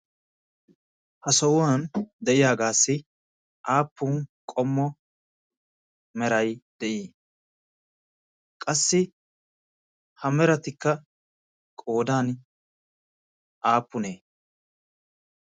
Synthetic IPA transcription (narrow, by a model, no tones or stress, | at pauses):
hɐsɔwwand̪ɛʔɪjaːɡaːsːɪ | ʔaːpːʊnkʼɔmːɔ | mɛɾɐjd̪̥ɛʔiː | kʼɐsːɪ | hɐmɛɾɐt̪ɪkːɐ | kʼo̞ːd̪aːn | ʔaːpːʊneː